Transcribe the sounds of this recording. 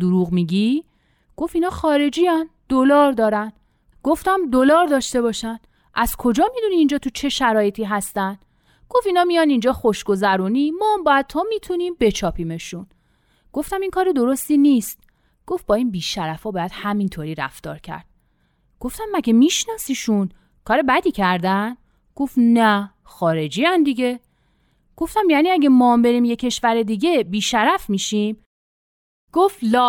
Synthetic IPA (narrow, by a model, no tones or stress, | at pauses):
d̪uɾuːɣmiɟi | ɡ̥o̞finɒːxɒːɾe̞d͡ʒiːænd̪̥o̞lɒːɾd̪ɒːɾæn | ɡ̥o̞ft̪æmd̪o̞lɒːɾd̪ɒːʃt̪e̞βɒːʃænd̪ | ʔæz̥kʰo̞d͡ʒɒːmid̪uniːnd͡ʒɒːt̪ʰut͡ʃʰe̞ʃæɾɒːje̞t̪ʰiːɦæst̪ænd̪̥ | ɡ̥ofinɒːmijɒnind͡ʒɒːxo̞ʃɡo̞zæɾuːnimɒːæmbɒjæd̪̚t̪ʰɒmit̪ʰuniːmbe̞t͡ʃʰɒːpʰiːme̞ʃun | ɡ̥o̞ft̪æmiŋkʰɒːɾed̪o̞ɾost̪iːnist̪ | ɡ̥o̞fbɒːiːnbiːʃæɾæfɒːbɒːjæd̪̥hæmint̪ʰoːɾiːɾæ̰ft̪ɒ̰ːɾcʰæ̰ɾd̪̥̚ | ɡ̥oft̪æmːæɟemiʃnɒsiʃun | kʰɒːɾebæd̪iːcʰæɾd̪æn | ɡ̥o̞fnæ | xɒːɾe̞d͡ʒiːænd̪iɟe̞ | ɡ̥o̞ft̪æmjæːniːæɡemɒːmbe̞ɾiːmje̞cʰe̞ʃvæɾe̞d̪iɟe̞biːʃæɾæfmiːʃim | ɡ̥oft̪lɒː